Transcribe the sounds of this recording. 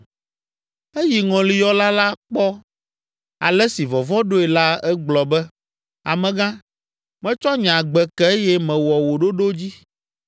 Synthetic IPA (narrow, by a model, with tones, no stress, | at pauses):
e˦ji˨ŋɔ̃˨li˨jɔ˦la˦la˦k͡pɔ˦ | a̰˨lɛ˦si˨vɔ˨vɔ˦ɖo˦ɛ˨la˦ɛ˦ɡ͡blɔ˨bɛ˦ | a˨mɛ̃˨ɡã˦ | mɛ̃˦t͡ʃɔ˦ɲã˨ɡ͡bɛ˨kɛ˦jɛ˦mɛ̃˨wɔ˨wo˨ɖo˦ɖo˦d͡ʑi˦